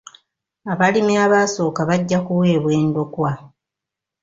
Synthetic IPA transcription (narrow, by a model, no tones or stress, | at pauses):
aβalimiaβaso̞ːkaβaɟːakuwe̞ːβwe̞ːndo̞kwa